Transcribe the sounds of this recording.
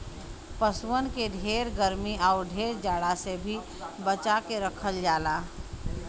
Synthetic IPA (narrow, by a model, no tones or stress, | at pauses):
pəswənkeɖʱeːɾɡəɾmiʔaːɾɖʱeːɾd͡ʒaːɽasebʱi | bət͡ʃakeɾəkʰəld͡ʒaːlaː